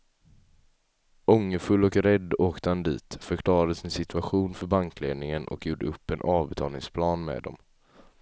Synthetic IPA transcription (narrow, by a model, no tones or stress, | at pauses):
ɔŋːəfɵlːɔkɾɛd̪ːoːkt̪əhand̪ḭːt̪fœɾkʰlɑːɾad̪əsɪnsɪt̪ʰɵaɧuːnfœɾbaŋkʰlḛːd̪nɪŋənʔɔ̰kjuːɖə̰ɵpːɛnʔɑːvbɛt̪ʰɑːlnɪ̰ŋspʰlɑːnmḛːd̪ɔ̰m